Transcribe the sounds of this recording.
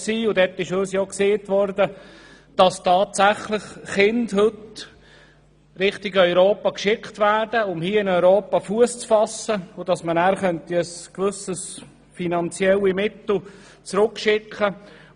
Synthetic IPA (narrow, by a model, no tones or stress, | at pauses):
siːʊdɛt̪ːɪʃøːsjokseːtʋɔɾdə | d̥ɑstɑːtsæχləχχɪndɦɵt | ɾɪχtɪɡœʏɾoːpɑkʃɪkχtvæːdəʊmhiːəɪnœʏɾoːpɑfuəst͡sfɑsːəʊd̥ɑsmənæːɾχœntiəskʋɵsəs | finɑnt͡sjɛlimɪt̪l̩ | t͡sɾʊkʃɪkχə